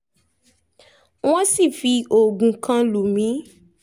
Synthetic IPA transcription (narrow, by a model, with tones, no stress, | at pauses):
w̃ɔ̃˦si˦˨fi˧ʔo˨ɡũ˨kã˧lu˨mĩ˨˦